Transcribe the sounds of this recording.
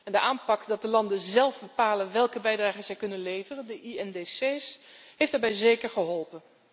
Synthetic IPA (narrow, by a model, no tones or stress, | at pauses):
ɛndəʔaːmpɑkdɑt̚dəlɑndənzɛlˠvbəpaːlənʋɛlˠkəbɛjdraːχəz̥ɛjkɵnənlejvərəndəʔiɛndeseːsɦejftd̥aːɹbɛjzejkəɹχəɦɔlˠpən